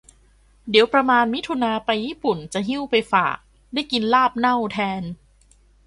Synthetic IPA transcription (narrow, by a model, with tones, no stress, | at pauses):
di˨˩˦wpɾa˧maː˧nmi˦˥t̪ʰu˧naː˧pa˧jːiː˥˩pu˨˩nt͡ɕa˨˩ɦi˥˩wpa˧jfa̰ː˨˩k̚ | daː˥˩jki˧nlaː˥˩p̚na˥˩wt̪ʰɛː˧n